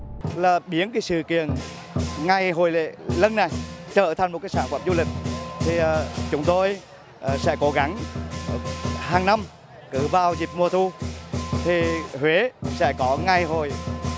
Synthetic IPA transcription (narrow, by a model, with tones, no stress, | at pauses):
laː˨˩ɓi˨˦ənkaː˨˦jsɨ̰˧˨kḭ˧˨ən | ŋa˨˩jɦo˨˩jlḛ˧˨lə˧nːa˨˩jt͡ɕəː˧˩t̪ʰa˨˩jŋmo˨˩t̚kːjsaː˧˥nfwa̰ː˧˩mzu˧lï˨˩k̟̚t̪ʰi˨˩˨t͡ɕʊ˨˦ŋ͡mt̪o˧j | sɛ̰˧˥ko˨˦ɣa˨˦ŋ | haː˨˩ŋna˧m | kɨ˧˩vaː˧˩wzi˨˩p̚mu˧˩ət̪ʰu˧t̪ʰi˨˩hwe˨˦sɛ̰˧˥kɔ˨˦ŋa˧˩jɦo˨˩j